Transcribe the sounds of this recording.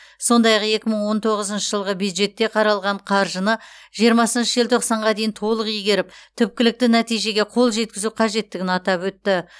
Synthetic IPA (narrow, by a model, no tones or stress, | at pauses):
so̞nd̪ɑjɑqe̞kʲɪməɴwo̞nt̪ʰo̞ʁəzənʃəʒəlˠʁəbjud̪ʒe̞t̪ːe̞qʰɑɾɑlˠʁɑɴqʰɑɾʒənəʒijəɾmɑsənʃəʒɪlt̪ʰo̞qsɑɴʁɑd̪e̞jɪnt̪ʰo̞lˠəqijɡʲe̞ɾɪp̚t̪ʰʏp̚kʲɪlɪk̚t̪ɪnæt̪ijʒe̞ɡʲe̞qʰo̞lˠʒe̞t̪̚kʲɪzuqʰɑʒe̞t̪ːɪɡʲɪnɑt̪ɑpwɵt̪ːɪ